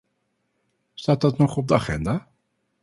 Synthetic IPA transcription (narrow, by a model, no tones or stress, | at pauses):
staːt̚dɑtnɔχɔb̚dəaχɛ̰ndaː